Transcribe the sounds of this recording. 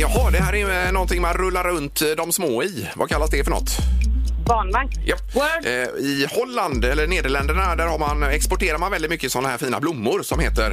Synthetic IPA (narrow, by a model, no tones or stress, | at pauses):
jɑɦɑd̪ɛhæːɾɛjnɔnt̪ɪŋmanɾɵlːaɾɾɵnt̪d̪ɔmsmoːɪ | va̰kʰalːasd̪ɛfœɳɔ̰t̪ː | bɑːnmaŋjap | ɪhɔlːand̪ɛlːəɳeːd̪əɭɛnd̪əɳad̪æɾhaɾmanɛkspɔʈeːɾaɾmanvɛlɪt̪mʏkːəɪsɔnːahæːɾfiːna̰blʊmːʊɾsɔmheːt̪əɾ